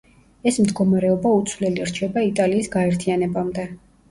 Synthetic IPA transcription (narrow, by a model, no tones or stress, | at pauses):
ɛsmd̪ɡɔmaɾɛɔbaut̪sʰvlɛliɾt͡ʃʰɛbait̪ʼaliːsɡaɛɾt̪ʰianɛbamd̪ɛ